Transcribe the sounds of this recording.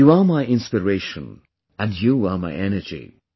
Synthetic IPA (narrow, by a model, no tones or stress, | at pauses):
juamaɪʔɪ̃nspəɹeɪʃə̃n | æ̃ndjuamaɪʔɛnəd͡ʒḭ